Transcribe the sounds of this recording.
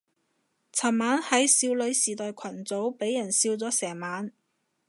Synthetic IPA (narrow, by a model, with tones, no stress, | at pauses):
t͡sʰɐ˨˩mmaː˨˥nhɐ˨˥jsiː˧wlɵ˨˥ɥsiː˨˩t̪ɔː˨jkʷʰɐ˨˩nt͡so˨˥wpe˨˥jːɐ˨˩nsiː˧wt͡sɔː˨˥sɛː˨˩ŋmaː˨˥n